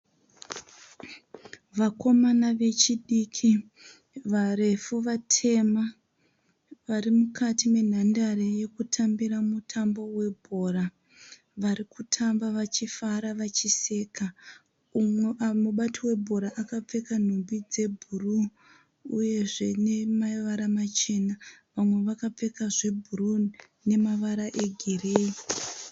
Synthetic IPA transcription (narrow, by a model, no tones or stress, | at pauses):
ʋako̞manaʋe̞t͡ʃiɗikʰi | ʋare̞fuʋatʰe̞ma | ʋarimukʰatime̞n̤andaɾeje̞kutʰambiɾamutʰambo̞we̞bʱo̞ra | ʋaɾikutʰambaʋat͡ʃifaɾaʋat͡ʃise̞ka | muɓatiwe̞bʱo̞ɾaʔakap͡fe̞kan̤ombid͡ze̞bʱuruː | je̞ʐe̞ne̞maʋaɾamat͡ʃe̞naʋamwe̞ʋakap͡fe̞kaʐe̞bʱuɾrun | ne̞maʋaɾaʔe̞ɡʱereːi